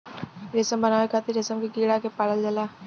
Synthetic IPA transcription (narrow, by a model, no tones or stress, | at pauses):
ɾɪsəmbɐnaːʋekat̪iɾɪsəmkiɡiːɽakepaːləld͡ʒɐlaː